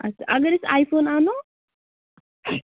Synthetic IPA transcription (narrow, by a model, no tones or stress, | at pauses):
ʔɐ̰sːaʔɐɡɐɾɪsaːjfoːnaːno